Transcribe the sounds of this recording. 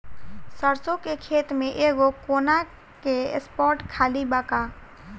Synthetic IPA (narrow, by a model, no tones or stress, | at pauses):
səɾsõkekʰeːt̪mẽʔeːɡokoːna | keḛspɔːɾʈkʰaːlibaːka